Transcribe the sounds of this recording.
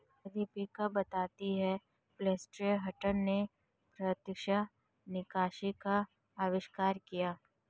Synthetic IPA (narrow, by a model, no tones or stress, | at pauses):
ɐd̪ipikabɐt̪aːt̪iɦɛ | flɛːsʈɾiɦɐʈənne | pɾət̪jəkʃa | nɪkaːʃikaː | ʋɪʃkaːɾkijaː